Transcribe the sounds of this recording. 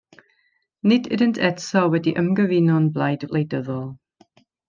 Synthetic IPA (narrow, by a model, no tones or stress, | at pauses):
nɪdɪdəntʰɛtʰɔwɛdiʔəmɡəvɪnɔnblˠajd̥lejdəðɔlˠ